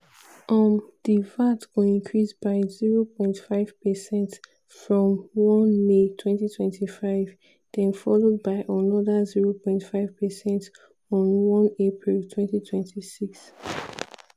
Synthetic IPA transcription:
ʔɔmd̥ivatɡoĩŋkʰɹisb̥aɪziɹopʰɔ̃ɪ̃ntfaɪv̥pəsɛ̃nt | fɹɔ̃mwɔ̃nmetʰwɛ̃ntitʰwɛ̃ntʰifaɪv | d̥ɛ̃nfɔlod̚baɪʔənɔdəziɹopʰɔ̃ɪ̃ntfaɪv̥pəsɛ̃nt | ɔ̃nwɔ̃nepʰɹiltʰwɛ̃ntitʰwɛ̃ntʰisiks

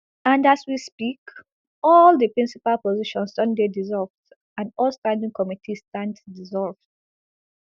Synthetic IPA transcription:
ãndaswispik | ɔldəpɹĩnsipalpɔziʃɔ̃nsdɔ̃ndedizɔlvd | ãndɔlˠstãndĩŋkɔmitʰistãnddizɔlvd̥

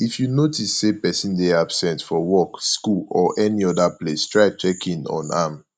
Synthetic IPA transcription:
ifjunotisːepɛsĩndeabsɛ̃ntfɔwɔkskulɔʔɛniɔdaplestɹaɪt͡ʃɛkʰĩnɔ̰̃na̰m

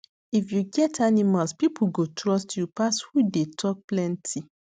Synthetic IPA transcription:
ifjuɡɛtʰanimalspipʰuɡotɹɔstʰjupashudetʰɔk̚plɛ̃ntʰi

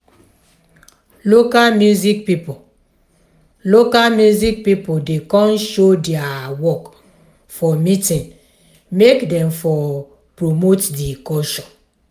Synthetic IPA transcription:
lokalmjuzik̚pipo | lokalmjuzik̚pipodekɔ̃nʃodɛawɔk | fɔmitĩn | mekdɛ̃mfɔ | pɹomotdikɔʃɔ̃n

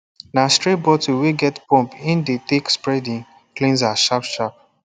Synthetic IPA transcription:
nastɹibɔtiweɡɛtpɔ̃mpĩndetekspɹɛdĩŋ | klĩnzaʃapʃap̚

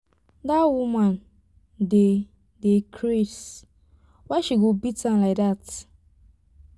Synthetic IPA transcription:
dawuman | de | dekʰɾes | waʃiɡobitãnlaɪk̚dat

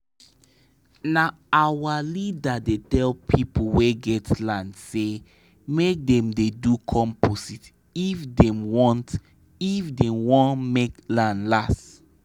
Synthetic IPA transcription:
na | awalidadetɛlpʰipoweɡɛtlãndse | mek̚dɛ̃mdedukʰɔ̃mposit | ifdɛ̃mwɔ̃nt | ifdɛmwɔ̃ntmeklãndlas

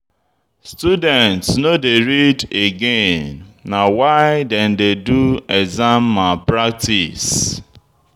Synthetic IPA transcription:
studɛ̃ntsnodeɾideɡenːawaɪdɛndeduezamːapɾak̚tis

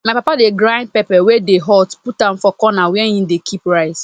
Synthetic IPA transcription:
mapapadeɡɾãnd̚pɛpɛwɛdeɦɔtput̚ãmfɔkɔnawɛɦĩm̩dekʰipɾaɪt

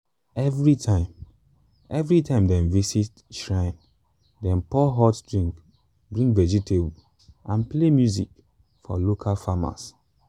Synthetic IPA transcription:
ɛvɹitʰãɪ̃m | ɛvɹitʰãɪ̃mdɛ̃nvisit | ʃɹãɪ̃n | dɛ̃npɔɦɔtdɹĩŋk | bɹĩŋvɛd͡ʒitʰeb | ãnplemjuzik | fɔ̰lokʰalfama̰s

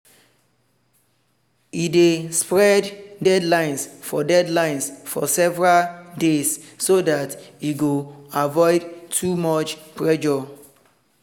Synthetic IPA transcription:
idespɹɛddɛdlãɪ̃nsfɔdɛdlãɪ̃nsfɔ̰sɛvɹaldes | sodatiɡoavɔɪdtʰumɔt͡ʃpɹɛd͡ʒɔ

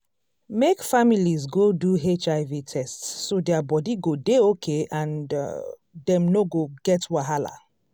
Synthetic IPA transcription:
mekfamilizɡoduɦet͡ʃaɪvitʰɛstsːodɛabɔdiɡodeokʰeãn̰ | dɛ̃mnoɡoɡɛtwaɦala̰

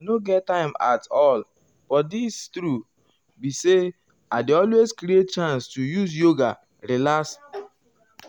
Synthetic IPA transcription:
noɡɛttːãɪ̃ma̰tɔl | b̥ɔdistɾu | bise | aɪdeɔlweskɾiet̚t͡ʃãnstujus̬joɡa | ɾilas

